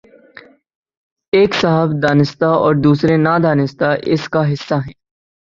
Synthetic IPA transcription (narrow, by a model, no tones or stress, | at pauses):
eːksaɦəbd̪aːnɪst̪aɔːɾd̪uːsɾenaːd̪ʱaːnɪst̪aʔɪ̰skaɦɪsːaɦɛ̃ː